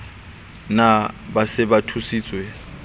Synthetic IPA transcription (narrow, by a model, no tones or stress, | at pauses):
nabasɪbatʰusiːt͡sʼwe